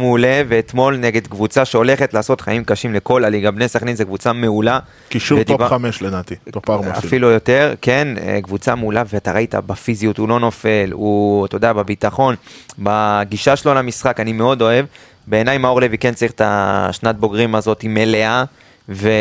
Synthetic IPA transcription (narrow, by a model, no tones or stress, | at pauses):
mule̞ve̞ːt̪mo̞lneɡe̞d̪kvut͡saʃe̞o̞le̞χet̪laːso̞tχaimkaʃimle̞ko̞laliɡabnesaχninzekvut͡sameula | kiʃuved̪ivameʃlenat̪it̪opaʁma̰filujo̞t̪e̞ʁke̞nḛkvut͡sameulaveat̪aʁait̪a̰bafizijut̪ulo̞no̞fe̞lut̪o̞d̪aababit̪aχo̞nbaɡiʃaʃelo̞lamisχakanime̞o̞d̪o̞e̞v | be̞ːnajmao̞ʁlevikent͡saʁiχe̥t̪aʃnat̪̚bo̞ɡʁimazo̞t̪ime̞le̞a | ve